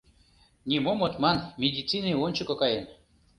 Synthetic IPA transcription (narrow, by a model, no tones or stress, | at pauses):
nʲimomot̪mɑnmʲedʲit͡sinionʲt͡ɕukŏkɑjenʲ